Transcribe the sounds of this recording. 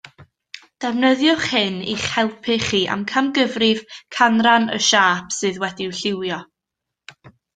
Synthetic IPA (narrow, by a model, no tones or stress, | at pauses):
d̥ɛvnəðjʊχhɪniχhɛlˠpʰɪχiːʔa̰mkʰamɡəvrɪv̥kʰanranə̰ʃaːpʰsɨːðwɛdiwɬɪwjɔ